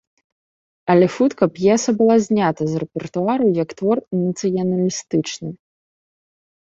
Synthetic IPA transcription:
ɐlʲɛxut̪kɐpjɛsɐbɨlˠazʲnʲat̪ɐzrɛpʲɛrt̪uaɾɐjɐkt̪vɔrnɐt̪sɨjɐnɐlʲist̪ɨt͡ʂnɨ

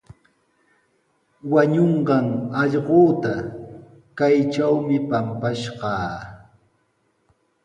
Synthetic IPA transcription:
waɲoɴɢɑŋɑʎɢoːt̪a | kajt͡ʃawmɪpampaʃɢɑː

